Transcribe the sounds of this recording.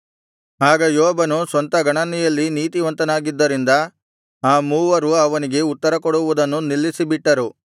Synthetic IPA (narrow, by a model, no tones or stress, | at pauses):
aːɡɐjɔːbɐnusʋɐnt̪ɐɡɐɳɐnijɐlːiniːt̪iʋɐnt̪ɐnaːɡid̪ːɐɾind̪ɐ | aːmuːʋɐɾuɐʋɐniɡe̞ut̪ːɐɾɐkɔɽuʋud̪ɐnːunilːisibiʈːɐɾu